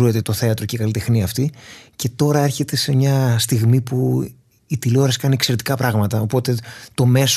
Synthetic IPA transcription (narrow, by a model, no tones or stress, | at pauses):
ue̞t̪e̞t̪o̞θe̞ɐt̪ɾo̞ceikɐlit̪exniɐːft̪ice̞t̪o̞ɾɐe̞ɾçe̞t̪e̞se̞mɲɐst̪iɣmipu | it̪iloɾɐskɐniekse̞ɾet̪i̥kɐpɾɐɣmɐt̪ɐo̞po̞t̪e̞t̪o̞me̞s